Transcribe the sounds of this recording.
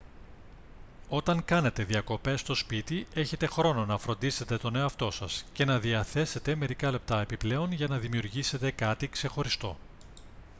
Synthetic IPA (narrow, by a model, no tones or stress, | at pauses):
o̞t̪ɐŋkɐne̞t̪e̞ðiɐko̞pe̞st̪o̞spit̪ie̞çe̞t̪e̞xɾo̞no̞nɐfɾo̞nd̪ise̞t̪e̞t̪o̞ne̞oɐft̪o̞sɐsce̞nɐðiɐθe̞se̞t̪e̞me̞ɾikɐle̞p̚t̪ɐe̞piple̞o̞nʝɐnɐðimiuɾʝise̞t̪e̞kɐt̪ikse̞xo̞ɾist̪o̞̰